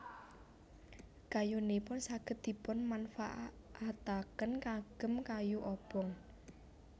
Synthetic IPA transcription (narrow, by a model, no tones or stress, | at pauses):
kajunepʊnsaɡ̥ə̤t̪̚d̪̥i̤pʊnmanfa̰ʔ | ʔat̪akənkaɡ̥ə̤mkajuʔɔb̥ɔŋ